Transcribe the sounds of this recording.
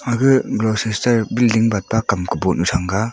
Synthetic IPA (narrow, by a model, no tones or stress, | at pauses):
aɡɯɡlɔsestɐɾbildiŋbat̚pakamkɯbɔnusʰaŋɡa